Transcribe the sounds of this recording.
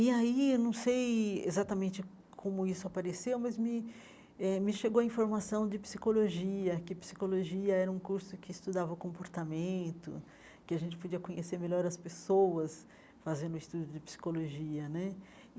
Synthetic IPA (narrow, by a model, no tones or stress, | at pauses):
ɪainɐ̃w̃sejḛzat̪ɐmẽnt͡ʃɪ | kʰõmʊisʊapaɾesewmɐzmɪ | ɛmɪʃeɡowɐĩfoɾmasɐ̃w̃d͡ʒɪpsikoloʒiɐkɪpsi̥koloʒiɐɛɾɐũkuɾsʊkɪːst̪ud̪avɐʊkõmpoɾt̪amẽnt̪ʊ̰ | kɪaʒẽnt͡ʃɪ̥pod͡ʒiɐkõɲeseɾmeʎɔɾɐspesowɐs | fazẽnd̪ʊɪst̪ud͡ʒʊd͡ʒɪpsi̥koloʒiɐnɛ